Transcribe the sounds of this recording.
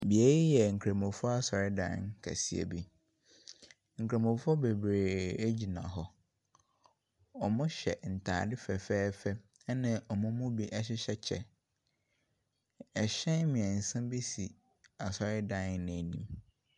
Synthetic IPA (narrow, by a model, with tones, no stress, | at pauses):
bi˨e˨ji˦jɛ˨ŋ̩˨kʰɾe˨mõ˨fʊɔ˦a˦sɔ˨ɾɪ˦dã̰˦˨nkʰæ̰˨si˨ḛ˨bi˦ | ŋ̩˨kʰɾe˨mʊ̃˨fʊ˦ɔ˦be˨bɾeː˨e˦d͡ʑi˨nã̰˨ɦɔ˦ | ɔ˨mʊ̃˦ɕɛ̰˨n̩˨tʰa̰ː˨dɪ˦fɛ˨fɛː˦fɛ˦ | nɪ̃˦ʔɔ˨mʊ̃˦mʊ̃˦bi˦ʔɛ˦ɕ̬ɪ˦ɕɛ˦t͡ɕʰɛ˨ | ɛ˨ɕɛ̃˦nmĩ˨ɛ̃˨n̩˨sã˦bi˦si˨ | a˨sɔ˨ɾɪ˦dã˨nnɪ̃˨nĩ˨m